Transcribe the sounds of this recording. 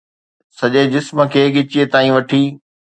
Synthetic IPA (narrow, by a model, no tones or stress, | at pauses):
sɐʄed͡ʑɪsmə̆kʰeːɠɪt͡ɕiet̪aːĩʋɐʈʰiː